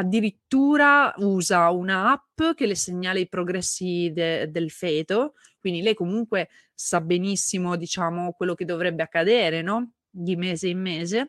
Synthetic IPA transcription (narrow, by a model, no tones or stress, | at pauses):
ad̪ːiɾit̪ːuːɾauːzaunaapːk̟elːeseɲːaːleipɾoɡɾɛsːid̪ed̪elfɛːt̪o | kwind̪ilɛjkomuŋkwe | sabenisːimod̪it͡ʃaːmokwelːok̟ed̪ːovɾɛbːeakːad̪eːɾenɔ | d̪imeːzeimːeːze